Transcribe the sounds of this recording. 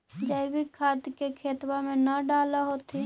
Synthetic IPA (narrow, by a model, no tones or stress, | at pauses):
d͡ʒəɪbɪkʰːaːd̪kekʰeːt̪wamẽnɐɖaːlaɦot̪i